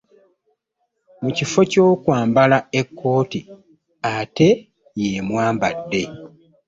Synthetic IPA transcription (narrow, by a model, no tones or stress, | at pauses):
mucifo̞co̞ːkwaːmbalae̞kʰːo̞ːti | ate̞ | jemwaːmbadːe̞